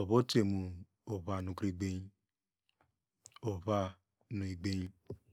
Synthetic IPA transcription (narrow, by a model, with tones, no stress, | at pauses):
o˨βo˦te˨mu˨ | o˨βa˧˨nũ˧kɾi˦˧ɡ͡be˦ | o˨βa˧ | nũ˧i˧ɡ͡be˦i˦